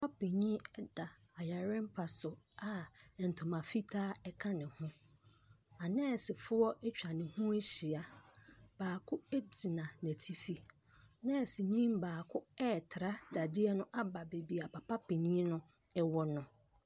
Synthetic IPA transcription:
pʰa˦pʰe˨ɲĩ˦ɛ˦da˨ | a˨ja˨ɾɪ̃˦m̩˦pʰa˨sʊ˨a˨n̩˨tʰʊ̃˨mã˨fi˦tʰaː˦ɛ˦kʰã˦nɪ̃˨hʊ̃˦ | a˨nɛ̃ː˦˨sɪ˨fʊ˦ɔ˦ʔɛ˦t͡ɕᶣa˨nɪ̃˨hũ˦ɕi˨a˨b̥aː˨kʰʊ˦e˦d͡ʑi˨nã˨næ̃˨tʰi˦fi˦˨ | nɛ̃˦˨sɪ˨ɲĩ˦mbaː˨kʰʊ˦ɛ˦˨tʰɪ˨ɾa˦da˨dɪ˦ɛ˦nʊ̃˦ʔa˦ba˨be˨bi˨a˨pʰa˨pʰa˦pʰe˨ɲĩ˦nʊ̃˦ | ɛ˦wɔ˦nʊ̃˨

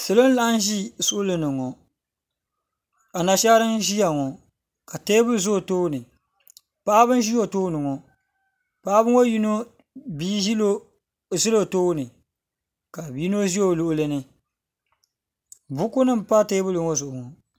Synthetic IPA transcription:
sɨ˨lo˦n˦la˦ʔn˦ʒi˦sʊ˦ʔʊ˦lɨ˨nɨ˨ŋɔ˨ | a˨na˨ʃa˦ɾɨ˦nʒi˦ja˨ŋɔ˨ | ka˨te˦bɨ˦lzo˦˨toː˦nɨ˨ | pa˦bɨ˦n˦ʒi˦jo˨toː˦nɨ˨ŋɔ˨ | pa˦bɨ˦ŋo˦ji˦no˦ | biː˦ʒi˦lo˦ | ʒi˦lo˨toː˦nɨ˨ | ka˨biː˦no˦ʒi˦jo˨lʊ˦ʔlɨ˦nɨ˦ | bʊ˦ku˦nɨ˦m˨pa˦te˦bɨ˦lɨ˨ŋɔ˦zʊ˨ʊ˨ŋɔ˨

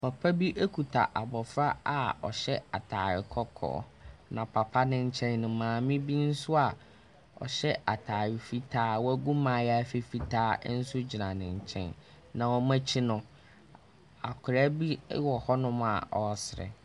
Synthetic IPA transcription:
pʰa˨pʰa˦bi˦ʔæ˦kʰu˨tʰa̰˨ʔa˨bɔ˨fɾa˦a˨ɔ˨ɕɛ˦a˨tʰa̰ː˨ɾɪ˨kʰɔ˦kʰɔ̰ː˦˨˦nã˨pʰa˨pʰa˦nɪ̃˦ɲ̩˦t͡ɕʰɛ̃˦nːʊ̃˨mãː˨mɪ̃˦bi˦n̩˦sʊ˦a˨ | ɔ̰˨ɕɛ˦a˨tʰaː˨ɥɪ˨fi˦tʰaː˦wɔ˦æ˦ɡũ˦mãː˨jɛ˦a˦fi˦fi˦tʰaː˦n̩˦sʊ˦d͡ʑi˨nã˨nɪ̃˨ɲ˨t͡ɕʰɛ̰̃˦n | nã˨wɔ˦mã˦t͡ɕʰi˦nʊ̃˦ | a˨kʰʊ˨ɾa˦bi˦wɔ˨hɔ˦nʊ̃˦m˦a̰˨ɔ˨sɪ˨ɾɛ̰˨

